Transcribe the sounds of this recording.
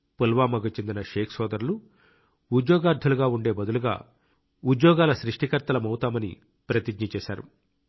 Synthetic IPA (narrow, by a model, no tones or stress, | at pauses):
pulʋaːmɐɡɐt͡ʃend̪inɐʃeːkʰsɔːd̪ɐɾlu | ud̪jɔːɡaːɾd̪ʱɐluɡaːuɳɖe̞ːbɐd̪uluɡa̰ː | ud̪jɔːɡaːlɐsɾiʂʈikɐɾt̪ɐlɐmɐwt̪aːmɐnḭ | pɾɐt̪iɡɲɐt͡ʃɛːʃa̰ːɾṵ